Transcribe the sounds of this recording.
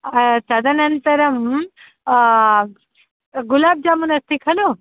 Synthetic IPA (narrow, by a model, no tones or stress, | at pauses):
sɐd̪ʱɐnɐnt̪əɾɐm | ɡulaːb̚d͡ʒaːmunɐst̪ikʰɐlo